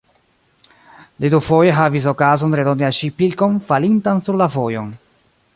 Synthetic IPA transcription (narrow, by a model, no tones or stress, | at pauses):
ledufojeɦavis̬okazonɾedonialʃipilkonfalintansuɾlavojon